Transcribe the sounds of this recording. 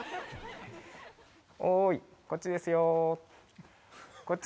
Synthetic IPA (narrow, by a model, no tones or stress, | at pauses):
oiko̞t͡ɕːid̪e̞sɨjo | kot͡ɕ